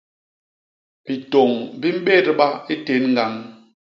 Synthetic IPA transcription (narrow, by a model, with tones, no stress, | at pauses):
bi˨to˨ŋbi˦m̩˦ɓe˦ɾɓa˦i˦te˨˦nŋ̩˦ɡa˨˦ŋ